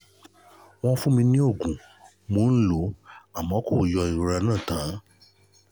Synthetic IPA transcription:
w̃ɔ̃˦fũ˦mĩ˧nĩ˦o˦˨ɡũ˨ | mo˨˦n̩˦lo˨˦a˨mɔ̃˨˦ko˦˨jɔ˧i˨˧ɾɛ˧nãː˦˨tã˨˦

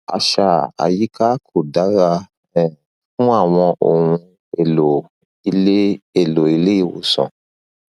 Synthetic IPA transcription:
a̰˧ʃa˨a̰˨ji˨˦kʰa˦kʰo˨da˨˦ɾa˧ | ɛ˨ | fũ˦a˦˨w̃ɔ̃˧ʔo˨ũ˧ | e˨lo˨ | i˧e˦e˨lo˨i˧le˦i˦˨wo̰˨sɔ̰̃˨

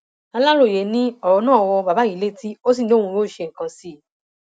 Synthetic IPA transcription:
a˧la˦ɾo˦˨je˨˦nĩ˦ɔ˦˨ɾɔ˧nãː˦˨ɔ˧wɔ˧ba˨ba˨˦i˨˦le˦ti˦o˦s̬ĩ˦˨do˦ũ˧ɾo˦˨ʃe˧˨ŋ̩˨kã˧si˦˨

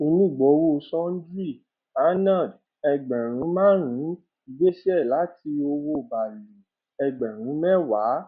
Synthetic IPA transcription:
o˧nũ˦˨ɡ͡bɔ˨˦wo˦˧sɔ̃˦n̩˦d͡ʒi˦˨ | a˦nã˦˨d | ɛ˧ɡ͡bɛ̃˨ɾ̃ũ˨˦mãː˦ɾ̃ĩ˨˦ | i˧ɡe˦ʃɛ˦˨la˨˦ti˧o˧wo˦˨ba˨li˨ | ɛ˧ɡ͡bɛ̃˨ɾ̃ũ˨˦mɛ̃˦wa˨˦

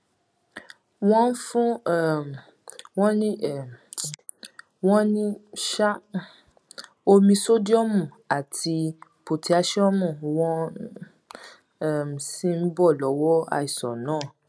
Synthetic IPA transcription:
w̃ɔ̃˦n̩˦fũ˦˨ | wɔ̃˦nĩ˦˨ | wɔ̃˦nĩ˦ʃa˦ | o˧mĩ˧so˦di˦ɔ˦mũ˦˨ | a˨tʰi˧po˨ti˨˦a˧ʃɛ˦ɔ˦mũ˦˨wɔ̃˦ | ɛ˨m̩˨sĩ˧˦n̩˦bɔ˦˨lɔ˨˦wɔ˦a̰˧i˨sɔ̰˨nãː˨˦˨

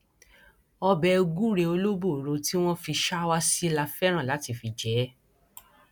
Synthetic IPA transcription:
ɔ˧bɛ˧ɡu˦ɾe˧o˧lo˦bo˦˨ɾo˧ti˦w̃ɔ̃˦fi˧ʃa˦wa˦si˦la˧fɛ˦ɾ̃ã˦˨la˨˦ti˧˨fi˧d͡ʒɛ˨˦

